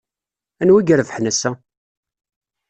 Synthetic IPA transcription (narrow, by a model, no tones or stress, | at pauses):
ænwæɡəɾəvəħnæsæ